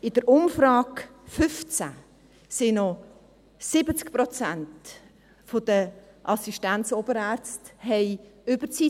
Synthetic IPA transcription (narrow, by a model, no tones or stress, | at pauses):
ɪd̥əɾʊmfrɑːkfʏft͡sæ̰ | sɪnɔ | sɪbət͡skprɔt͡sænt | fod̥ə | ʔɑsiʃtænt͡soːbəɾæːɾt͡sthɛɪʏb̥ət͡si